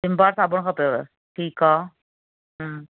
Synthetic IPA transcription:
dɪmbaːɾsaːbəɽ̃kʰapjoʋe | ʈʰiːkaː | ɦ

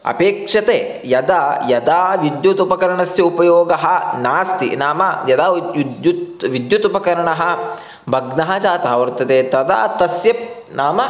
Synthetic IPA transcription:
ɐ̰peːkʂɐt̪eː | jɐd̪ajɐd̪aːʋid̪jut̪upɐkɐɾɐɳɐsjɐupɐjoːɡɐɦɐnaːst̪ḭnaːmɐjɐd̪aːd̪jut̪ʋid̪jut̪upɐkɐɾɐɳɐɦɐ | bʱɐɡnɐɦɐt͡ʃaːt̪aːʋɐɾt̪ɐt̪eːt̪ɐd̪a̰ːt̪ɐsjɐ | naːmɐ

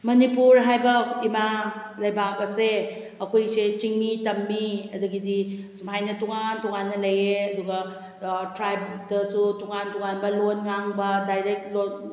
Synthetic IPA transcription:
mɐnipuɾɦajbɐimalɐjbak̚ɐse | ɐkʰojset͡ʃiŋmitɐmːiɐduɡidisumɦajnɐtuŋantuŋanːɐlɐjeɐduɡɐ | tɾajbdɐsutuŋantuŋanbɐlonŋaŋbɐdajɾek̚tlon

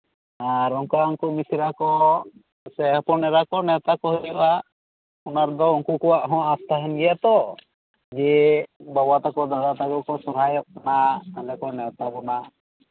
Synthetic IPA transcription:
aɾɔŋkauŋkumisiɾakɔ | sɛhɔpɔnɛɾakɔnɛwt̪akɔɦilɛba | unaɾd̪ɔuŋkukɔwaʔɦɔ̃ast̪ʰaɦɛnɡɛjat̪ɔ | d͡ʒɛbabat̪akɔd̪ad̪at̪aɡɔkɔsɔɾɦajɔʔ̚kanaalɛkɔnɛwt̪abɔna

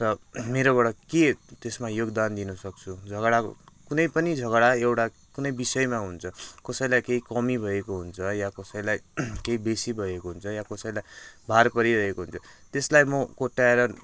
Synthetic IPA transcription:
rʌmeɾobʌɽʌket̪esmajoɡd̪and̪inusʌk̚t͡sʰud͡zʱʌɡɽak | kunʌjpʌnid͡zʱʌɡɽaewʈa | kunʌjbisʌjmaɦunt͡sʰʌkʌsʌjlajkeɦikʌmibʱʌekoɦunt͡sʰʌjakʌsʌjlajkeɦibesibʱʌekoɦunt͡sʰʌjakʌsʌjlajbʱarpʌɾiɾʌɦekoɦunt͡sʰʌt̪eslajmʌkoʈːaeɾʌ

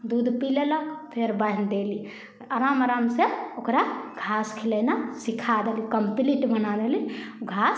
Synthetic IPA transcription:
d̪ud̪pileləkpʰeɾbəɦnd̪eli | aɾamaɾamseokɾaɡʱaskʰilənasikʰad̪elikəmpliʈbənad̪eliɡʱas

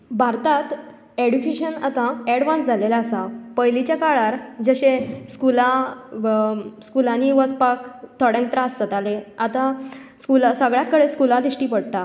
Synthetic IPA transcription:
bʱaɾt̪at̪ | eɽukeɕənat̪ãeɽʋãnsd͡zʱalelaːsapəjlit͡ɕjakaɭaɾd͡ʑəɕeskula | skulãniʋət͡spakt̪ʰəɽɛ̃ŋkt̪ɾasd͡zət̪aleat̪a | skulasəɡɭjakːəɽeskulãd̪iɕʈiːpəɽʈ̪a

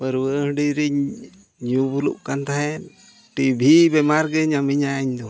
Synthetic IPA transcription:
bəɾwəhəɖiɾiɲ | ɲubulṵʔ̚kant̪aɦɛn | ʈibʱibɛmaɾɡɛɲamiɲajaɲd̪ɔ

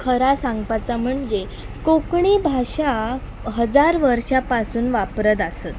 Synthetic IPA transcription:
kʰəɾasaŋɡpat͡sam̤əɳd͡ze | kokɳibʱaɕa | ɦəd͡zaɾʋəɾʂapasuːnʋapɾəd̪asət̪̚

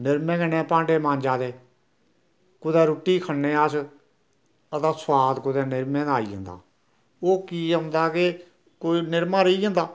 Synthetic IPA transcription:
nɪɾmẽːɡɛnɛ̃ːpãːɳɖeːmãːnd͡ʒaːd̪eː | kʊd̪ɛːɾʊːʈːiːkʰənːẽːaːs | ət̪aːswaːd̪kʊd̪ɛ̃ːnɪɾmẽːd̪aːḭːɦə̰̃ːnd̪a̰ː | oːkiːənd̪aːke | koːiːnɪɾmãːɾəiːə̃ːnd̪aː

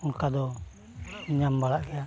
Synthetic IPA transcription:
uŋkadɔ | ɲambalaʔkɛa

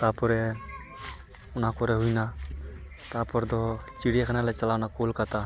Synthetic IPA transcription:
t̪apɔɾɛ | ʊnakɔɾɛɦujna | t̪apɔɾd̪ɔt͡ʃiɽijakʰanalat͡ʃəlawnakolkat̪a

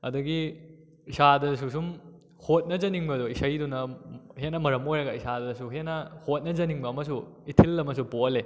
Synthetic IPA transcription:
ɐdɐɡi | isadɐdɐs̬usum | hot̚nɐd͡ʒɐniŋbɐdoisɐjdunɐhenɐmɐɾɐmojɾɐɡɐisadɐdɐsuɦenɐhot̚nɐd͡ʒɐniŋbɐːmɐsuitʰilːɐmɐsuboɐle

